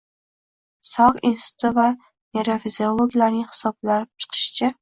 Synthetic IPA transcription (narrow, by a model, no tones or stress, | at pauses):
sɒqinst̪ʰʊt̪ɪva | jeɾafiziolˠoɡʲlaɾnɪŋhɨ̥sɒb̚laɾɪp̚t͡ʃʰɨ̥qʰɨ̥ʃt͡ʃʰa